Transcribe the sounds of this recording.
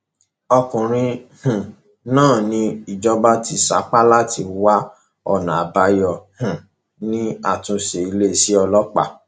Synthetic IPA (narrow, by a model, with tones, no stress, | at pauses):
ɔ˧kũ˨ɾ̃ĩ˧hũ˨ | nãː˦˨nĩ˧i˨d͡ʒɔ˦ba˦ti˦sa˨˦k͡pa˦la˦tʰi˧wa˦ | ɔ̰˦˨nã̰˨a˨ba˧jɔ˧hũ˨ | nĩ˦a̰˦˨tũ˧ʃe˨i˧le˦˨si˨˦ɔ˧lɔ˦k͡pa̰˦˨